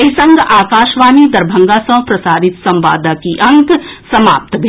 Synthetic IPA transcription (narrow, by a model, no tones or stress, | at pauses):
esɐ̃ŋɡaːkaːʃʋaːnid̪ɐɾbʱɐ̃ŋɡaːsɐ̃w̃pɾɐsaːɾɪt̪sɐ̃mʋa̰ːd̪akiʔɐ̃ŋɡsɐmaːp̚t̪bʱ